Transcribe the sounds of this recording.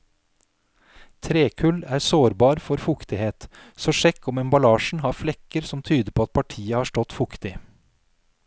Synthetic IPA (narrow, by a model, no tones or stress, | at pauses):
t̪ʰɾeːkʰʉlæːɾsoːɾbɑːɾfɔɾfʊkt̪ɪheːt̪sɔːʂɛkʰːɔmɛmbɑlɑːʃɳ̩hɑːɾflɛkəɾsɔmt̪ʰyːd̪əpʰoːɑt̪̚pʰɑʈʰiːəhɑːʂʈɔt̪fʊkt̪ɪ